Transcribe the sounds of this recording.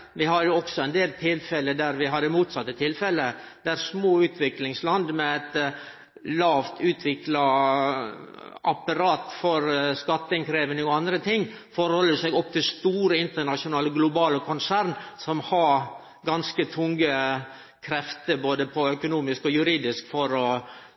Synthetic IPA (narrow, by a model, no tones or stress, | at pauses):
ʋɪhɑɾjʊɔksɔɛnd̪eːlt̪ʰɪlfɛləd̪æɾʋɪɦɑd̪ːəmuːt̪sɑt̪ːət̪ʰɪlfɛlə | d̪̥æɾsmoːʉːt̪ʰʋɪklɪŋslɑnd̪mɛæt̪ | lɑːʋt̪ʉːt̪ʰʋɪklɑ | ʔɑpɑɾɑːt̪fɔɾskɑt̪ːəɪŋkʰɾeːʋənəɔɑnd̪ɾət̪ʰɪŋː | fɔɾhɔlːəsɛɡɔp̚ːt̪ʰɪlst̪uːɾəɪnt̪əɳɑʂʊnɑːləɡlʊbɑːləkʰʊnsæɾnsɔmhɑɾ | ɡɑnskət̪ʰʊŋɡə | kʰɾɛft̪əboːd̪əpʰɔœkʊnuːmɪskɔjʉɾiːd̪ɪskfɔɾɔ